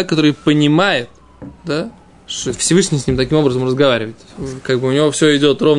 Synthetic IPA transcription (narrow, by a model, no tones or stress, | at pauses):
ekːɐt̪o̞ɾɨjpənʲɪmajɪt̪ | d̪a | ʂt̪ofsʲɪvɨʂnʲɪjsʲnʲimt̪ɐkʲimo̞bɾəzəmrəzɡɐvaɾʲɪvətʲkaɡ̚bɨʊnʲɪvo̞fsʲoɪdʲo̞t̪ro̞v